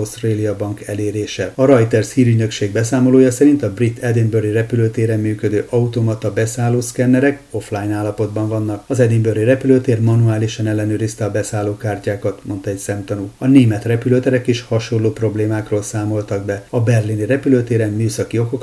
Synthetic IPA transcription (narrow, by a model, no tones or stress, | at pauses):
st̪reːlijɒbɒŋkɛleːɾeːʃɛɒɾɒjt̪ɛrshiːɾyɟnø̞kʃeːɡbɛsaːmo̞loːjɒsɛɾint̪ɒbrit̪ʰːɛd̪inbørirɛpyløːt̪eːɾɛmːyːkø̞d̪øːʔɒut̪omɒt̪ɒbɛsaːloːskɛnːɛɾɛko̞flaːjnaːlːɒpo̞d̪bɒɱvɒnːɒkɒzɛd̪imbørirɛpyløt̪eːrmɒnuaːliʃɒnɛlːɛnøːɾist̪ɛɒbɛsaːlːoːkaːrcaːkɒt̪mo̞nt̪ɒɛcsɛmt̪ɒnuːɒneːmɛt̪rɛpyløːt̪ɛɾɛkeːʃhɒʃolːoːpro̞bleːmaːkroːlsaːmo̞lt̪ɒɡ̚bɛɒbɛrlinirɛpyløt̪eːɾɛmmːyːsɒkio̞ko̞k